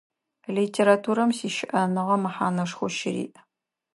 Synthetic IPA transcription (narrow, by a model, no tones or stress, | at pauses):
litʰeːɾatʰuːɾɐmsiːʃɪʔɐnɨʁɐmɨħaːnɐʂxʷʊʃɪɾḭːʔ